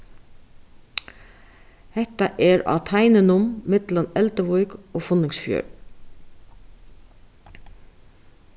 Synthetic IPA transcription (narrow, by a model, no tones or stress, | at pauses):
hɛt̪ɑʔeːɾɑ̰ːt̪ʰæɪnənʊmmɪt̪lɑnɛlt̪əʋɔʏɡoːfʊnɪŋsfjø̰ːɹ